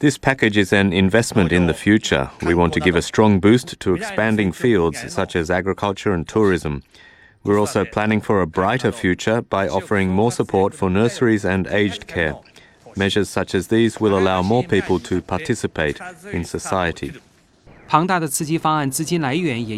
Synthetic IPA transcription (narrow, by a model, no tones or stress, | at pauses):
ðɪspʰækɨd͡ʒɨzɨ̃nɪ̃ɱvɛsmɨ̃ntɨ̃nðɨfjʉt͡ʃə̰˞wiwɑ̃ntʰɨɡɪvɨstɹ̥ɔ̃ŋbʉstʰɨːkspæ̃ndɪ̃ŋfilˠdz̥sʌt͡ʃɨzæɡɹɨkʰʌlˠt͡ʃə˞ɨ̃ntʰʊɹɪzə̃m | wɪɹɔlˠsoʊpʰl̥ænɪ̃ŋfə˞ɨbɹaɪɾə˞fjʉt͡ʃə˞baɪʔɔfə˞ɪ̃ŋmɔɹsəpʰɔɹtfə˞nɜ˞sə˞izɨ̃nḛɪd͡ʒkʰɛɹ | mɛʒə˞z̥sʌt͡ʃɨzðizwɪlˠəlaʊmɔɹpʰipəl̩ˠtʰɨpʰɑɹtʰɪsɨpʰeɪɾɨ̃nsɨsaɪɨɾḭ | pʰɑŋt̪ad̪ət͡sʰɹ̩t͡ɕifaant͡sɹ̩t͡ɕĩnlaɪɥɛnjɛ